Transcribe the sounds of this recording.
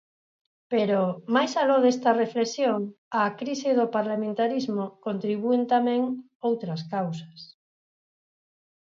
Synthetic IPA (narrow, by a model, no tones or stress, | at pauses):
peɾomajsaloðest̪ɐreflesjoŋ | akɾiseðopaɾlamẽnt̪aɾizmokont̪ɾiβ̞uent̪amẽŋ | owt̪ɾaskawsḁs